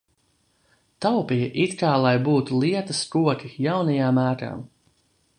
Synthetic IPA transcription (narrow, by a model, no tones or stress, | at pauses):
t̪awpijɐʔit̪kaːlˠajbuːt̪ulˠiɛt̪ɐskuɔkʲijawnɐjaːmːæːɾa̰ːm